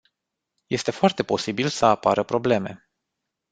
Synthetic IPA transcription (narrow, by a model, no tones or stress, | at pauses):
je̞st̪e̞foart̪e̞po̞sibilsəapaɾəpɾo̞ble̞me̞̰